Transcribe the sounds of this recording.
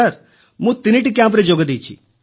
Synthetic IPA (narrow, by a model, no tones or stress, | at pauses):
aɾ | mũt̪iniʈik̬ʲjãmp̬ɾed͡ʒoɡd̪it͡ʃʰḭ